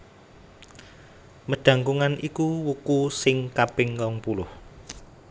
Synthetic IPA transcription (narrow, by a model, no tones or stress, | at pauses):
məɖ̥ä̤ŋkuŋanikuwukusɪŋkapɪŋkɔŋpulʊh